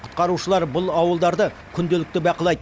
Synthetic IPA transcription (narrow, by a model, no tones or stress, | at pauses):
qʰʊ̥t̪qɑɾuʃəlˠɑɾbʊlˠɑwəlˠd̪ɑɾd̪ə | kʲʰʏnd̪elɪk̚t̪ɪbɑqəlˠɑjd̪